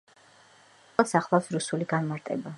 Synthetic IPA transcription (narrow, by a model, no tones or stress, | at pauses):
saχlˠafsɾusuliɡanmaɾt̪ʼɛba